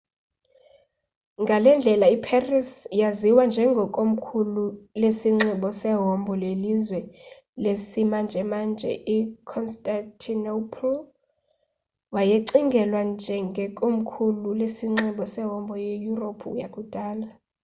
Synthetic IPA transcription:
ŋɡʱalɛnd͡ɮʱɛlaipʰarisjaziwand͡ʒʱɛŋɡʱɔkʼom̩kʰululesiŋ͡ǀiɓɔsɛɦɔmbʱɔlelizwɛ | lesimand͡ʒʱɛmand͡ʒʱɛ̰ʔikʰɔnstʼantʰinopʰl | wajeǀiŋɡʱɛlwand͡ʒʱɛŋɡʱɛkʼom̩kʰululesiŋ͡ǀiɓɔsɛɦɔmbʱɔjejuropʰuṵjakʼud̥ʱaːla

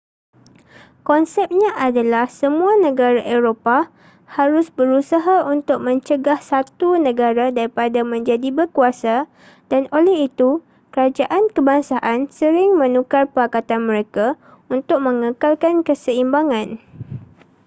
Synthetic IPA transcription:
kɔnsɛp̚ɲãʔadalahsəmũanə̃ɡaɾaʔeɾopa | haɾʊsbəɾusaɦaunt̪ʊk̚mə̃ɲt͡ʃəɡahsat̪unə̃ɡaɾadaɾipadamə̃ɲd͡ʒadibəkuasa | danolɛɦit̪u | kəɾad͡ʒaʔankəbaŋsaʔansəɾɪŋmə̃nũkarpəakat̪anmə̃ɾeka | unt̪ʊk̚mə̃ŋəkalkankəsəimbaŋãn

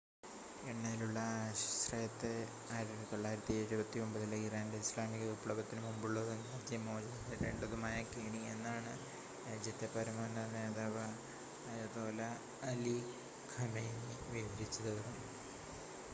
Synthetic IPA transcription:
eɳːɐjiluɭːɐɕɐ̥srɐjɐt̪ːe | aːɾt̪oɭːaːjiɾɐt̪ːieɾubɐt̪ːio̞mbɐðileːkiɾaːndeislaːmiɣɐupɭoɡɐt̪ːinɨmumbuɭːɐðuŋɡaːd̪jɐmo̞ːd͡ʑɐnɐɐɾeɳɖɐðumaːjɐkeːɳienːaːɳɨ | ɾaːd͡ʑjɐt̪ːepːɐɾɐmonɐneːðaːʋɐ | jɐt̪oːlɐ | ɐli | kʰɐmeːniʋibɐɾit͡ɕːɐðɐðu

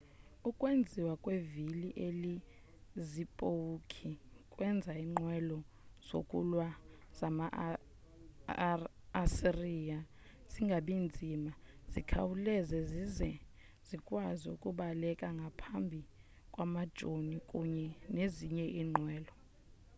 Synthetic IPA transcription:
ukʼwend͡zʱiwakʼweviliʔeli | zipʼowukʰikʼwɛnd͡zʱaiŋ͡ǃwɛlɔ | z̥o̰kʼulwa | z̥ama | siriːa | z̥iŋɡʱaɓind͡zʱimaz̥ikʰa̰wulɛzɛzizɛ | z̥ikʼwaziṵkʼuɓalɛkʼaŋɡʱapʰambʱi | kʼwamad̥ʒ̥ʱonikʼuɲɛneziɲɛʔiːŋ͡ǃʱwɛːlɔ

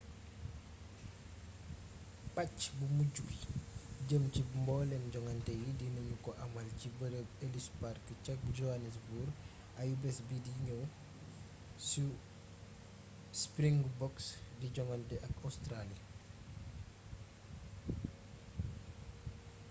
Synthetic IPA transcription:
ɓacbumuɟuɡiɟəmcimbɔːlɛmd͡ʒɔŋɐntɛjidinuɲukɔʔamɐlcibəɾəɡelisparkt͡ʃɐk̚d͡ʒɔanɛsbuɾ | ʔajubɛsbidiɲɔw | su | spɾiŋɡbɔksdiɟɔŋantɛʔɐkawstɾalia

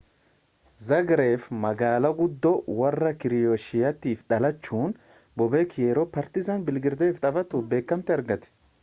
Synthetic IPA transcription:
zɐɡɾe̞ːfmɐɡaːlɐɡʊd̪ːɔwɐrːɐkɪɾɪjɔʃɪjɐt̪iːfᶑɐlɐt͡ʃːuːn | bɔbeːkʰɪjeːɾɔpɐɾt̪ɪsɐnbɪlɡɪɾd̪eːft̪ʼɐfɐt̪ʊbe̞ːkːɐmt̪ɪɐɾɡɐt̪ɛ̥

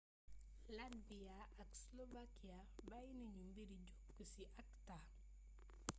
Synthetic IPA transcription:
labiaakslovakija | bajniɲumbiɾid͡ʒokːusiʔakta

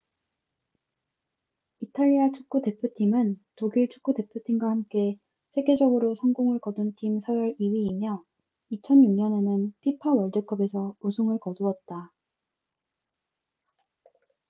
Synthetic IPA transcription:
itʰaʎːiat͡ɕʰu̥k̚k͈ude̞pʰjotʰimɯntoɡiɭt͡ɕʰu̥k͈ude̞pʰjotʰiŋɡwahamk͈e̞ | sʰe̞ɡe̞d͡ʑʌɡɯɾosʰʌŋɡoŋɯɭkʌduntʰimsʰʌjʌɾiwiːmjʌ | it͡ɕʰʌnjuŋɲʌne̞nɯnpʰipʰawʌɭdek͈ʰʌbe̞sʰʌusʰoŋɯɭkʌduʌt̚t͈a

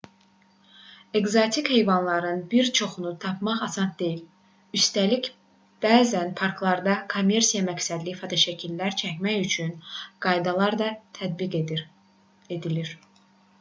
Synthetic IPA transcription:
e̞ɡzot̪ʰikhe̞jvɑnlˠɑɾɯnbiɾt͡ʃʰo̞χunut̪ʰɑpmɑχɑsɑnd̪e̞jil | yst̪ælic | b̥æːzænpʰɑɾkʰlˠɑɾd̪ɑkʰo̞mːe̞ɾsijɑmæcsæd̪lifot̪ʰɑʃæcʰilːæɾt͡ʃʰæcmæçyt͡ʃʰynɡ̥ɑjd̪ɑlˠɑɾd̪ɑt̪ʰæd̪̚biɡ | ed̪iliɾ̥

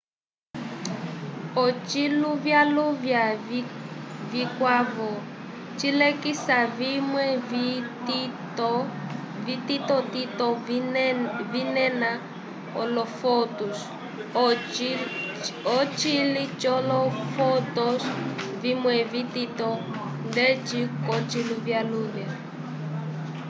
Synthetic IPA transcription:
ɔt͡ʃiluvjaluvja | vikwavɔ | t͡ʃilekisavimwɛt | ɔ | vititɔtitɔ | vinɛna | ɔlɔfɔtus | ɔt͡ʃilit͡ʃɔlɔfɔtɔsvimwɛvitit̪ɔ | ndet͡ʃikɔt͡ʃiluvjaluːna

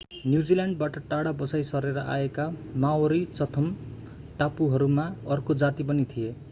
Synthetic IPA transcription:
njud͡zilaɳɖbaʈʌʈaɽabʌsajsʌreɾʌʔa̰ekamawɾit͡sʌt̪ʰʌm | ʈapuɦʌɾumaʌrkod͡zat̪ipʌnit̪ʰije

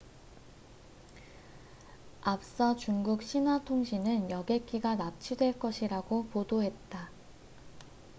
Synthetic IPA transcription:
ap̚s͈ʌt͡ɕuŋɡuk̚ɕ͈ʰinɦwatʰoŋɕʰinɯnjʌɡe̞k͈iɡanap̚t͡ɕʰidwe̞ɭk͈ʌɕʰiɾaɡopodoɦe̞t̚t͈a

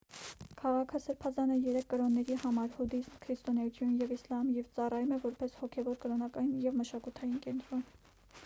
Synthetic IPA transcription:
kʰɑʁɑkʰəsəɾpʰɑzɑnəjɛɾɛkʰːəɾɔnːɛɾihɑmɑɾhud̪ismkʰɾist̪ɔnɛjut̪ʰjunjɛvislɑmjɛvt͡sɑrɑjumɛvɔɾpɛshɔkʰɛvɔɾkəɾɔnɑkɑjinjɛvməʃɑkut̪ʰɑjinkɛnt̪ɾɔn

